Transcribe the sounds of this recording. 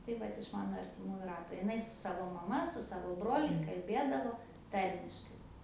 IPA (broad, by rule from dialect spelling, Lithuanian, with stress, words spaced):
tɐɪ ˈʋɐt ɪʃ ˈmɑːnoː ɐrʲtʲɪˈmuːjʊ ˈrɑːtoː ɪˈnɐɪ sʊ ˈsɑːʋoː mɐˈmɐ sʊ ˈsɑːʋoː ˈbroːlʲɛɪs kɐlʲˈbʲeːdɐʋoː ˈtɐrʲmʲɪʃkɐɪ